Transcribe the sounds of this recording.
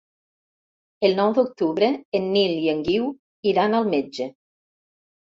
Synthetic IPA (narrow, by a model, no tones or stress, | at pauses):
elˠnɔwd̪ok̚t̪uβɾeenːilieŋɡiw | iɾanalˠmed͡ʒe